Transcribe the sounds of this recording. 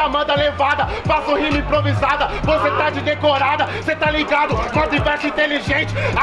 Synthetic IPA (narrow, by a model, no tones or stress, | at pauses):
amɐ̃d̪ɐlevad̪ɐ | fasũhĩmʊĩpɾovizad̪ɐvoset̪ad͡ʒɪd̪ekoɾad̪ɐoset̪aliɡad̪ʊnãd̪ivɛɾsʊĩt̪eliʒẽnt͡ʃɪ